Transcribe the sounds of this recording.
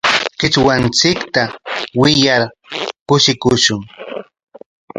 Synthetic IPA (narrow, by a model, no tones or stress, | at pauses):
kɪt͡swant͡sɪkt̪awɪjaɾ | kʊʃɪkʊʃʊŋ